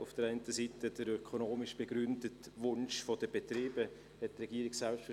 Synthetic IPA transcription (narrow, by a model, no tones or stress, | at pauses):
ʊfd̥əɾaɪntəsiːtədəɾøkʰonoːmɪʃb̥eɡɾʏndətʋʊnʃfodəb̥etɾiːbə | hɛt̚trɛɡiːɾɪɡsɛlpstfə